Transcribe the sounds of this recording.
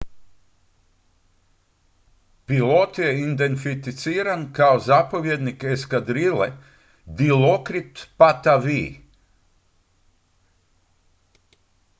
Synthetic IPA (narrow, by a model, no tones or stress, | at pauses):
pilˠɔt̪jɛind̪enfit̪it̪siːɾankawzapaviɛd̪nikeskad̪ɾilɛ | d̪ilɔkɾit̪pat̪avḭː